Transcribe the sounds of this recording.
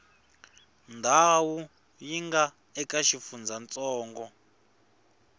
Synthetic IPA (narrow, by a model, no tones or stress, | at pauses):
ndʱawu | jiŋɡa | ɛkaʃifund͡zant͡sʼɔːŋɡɔ